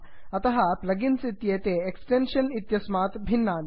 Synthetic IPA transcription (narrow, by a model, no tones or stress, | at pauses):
ɐt̪ɐɦɐplɐɡinsit̪jeːt̪eːksʈenʃɐnit̪jɐsmaːt̪bʱinːaːn